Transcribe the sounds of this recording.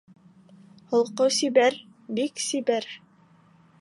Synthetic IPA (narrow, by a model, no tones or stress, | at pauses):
hŏlˠqɤwsibæɾ | biksibæɾ